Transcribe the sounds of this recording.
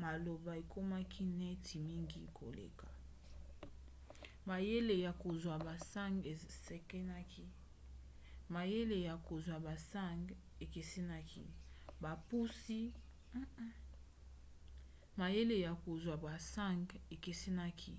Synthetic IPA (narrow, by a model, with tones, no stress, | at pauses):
ma˨lo˨ba˨e˨kʰo˦ma˦kʰi˦nɛ˦tʰi˨mi˦ŋɡi˦kʰo̰˨lḛ˨ka˨ | ma˨je˦le˨ja˨ko˨zwa˨ba˨sa˦ŋɡe˨se˨ke˦na˦ki˦ | ma˨je˦le˨ja˨ko˨zwa˨ba˨sa˦˨ŋɡ | e˨ke˨se˦na˦kḭ˦ba˨pu˦si˦ | ma˨je˦le˨ja˨ko˨zwa˨ba˨sa˦˨ŋɡe˨ke˨se˦na˦kʰi˦